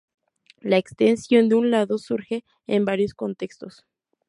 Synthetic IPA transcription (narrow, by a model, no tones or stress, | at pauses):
laekst̪ensjo̞nd̪eunlaðosuɾxeː | mbaɾjoskont̪ekst̪os